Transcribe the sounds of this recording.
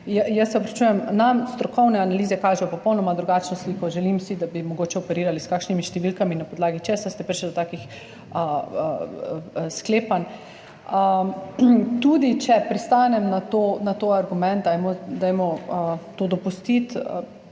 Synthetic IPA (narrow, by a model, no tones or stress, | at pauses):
jəjəsːɛɔpɾɐt͡ʃuːjɛmnamst̪ɾɔkɔwnɛanaliːzɛkaːʒɛjɔpɔpɔwnɔmad̪ɾuɡaːt͡ʃnɔslikɔʒɛlimsid̪abimɔɡoːt͡ʃɛɔpɛɾiːɾaliskaːkʃnimiʃt̪ɛʋilkaminapɔd̪laːɡit͡ʃesast̪ɛpɾiʃld̪ɔt̪aːkix | ə | skleːpan | ə | t̪ud̪it͡ʃɛpɾist̪anɛmnat̪onat̪oaɾɡumɛ̃nt̪̚d̪ajmɔd̪ajmɔt̪oːd̪ɔpust̪it̪